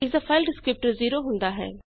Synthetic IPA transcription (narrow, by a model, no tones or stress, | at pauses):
ɪzɐfaɪlɖskɾɪp̚ʈəɾziːɾoɦʊ̃nd̪aɦɛ̰ː